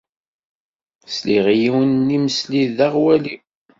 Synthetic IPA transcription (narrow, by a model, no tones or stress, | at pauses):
sliʁjiwənːiməsliðaʁwæli